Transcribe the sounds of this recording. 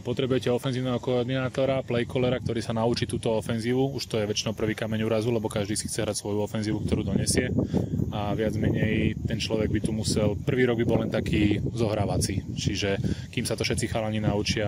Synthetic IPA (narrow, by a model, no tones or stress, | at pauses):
pɔt̪ɾɛbujɛcɛɔfɛnziːʊnɛɦɔkɔɔɾd̪inaːt̪ɔɾaplɛjkɔlɛɾak̚t̪ɔɾiːsanaut͡ʃiːt̪uːt̪ɔɔfɛnziːʋuuʃt̪ɔjɛʋɛt͡ʃinɔʊpr̩ʋiːkamɛɲuːɾazulɛbɔkaʒd̪iːsi̥xt͡sɛɦɾacsʋɔjuɔfɛnziːʋukt̪ɔɾuːd̪ɔɲɛsɪɛaʋɪad͡zmɛɲɛjt̪ɛnt͡ʃlɔʋɛɡ̚bit̪umusɛlpr̩ʋiːɾɔɡ̚bibɔlɛnt̪akʰiːzɔɦɾaːʋat͡sit͡ʃiʒɛkiːmsat̪ɔfʃɛt̪t͡sixaːlaɲinaut͡ʃɪa